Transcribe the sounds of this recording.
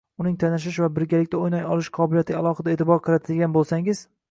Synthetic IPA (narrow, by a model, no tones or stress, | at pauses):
ʊnɪŋt̪ʰanɪʃ̬ɪʃvabɪɾɡʲalɪkʲt̪aojnɒjɒlˠɪʃqʰɒbɪlijat̪ɪalˠɒχɨd̪ae̞ːt̪ʰɪbɒɾqʰɨɾat̪ʰɪlɡʲanbolˠsaŋɪz̥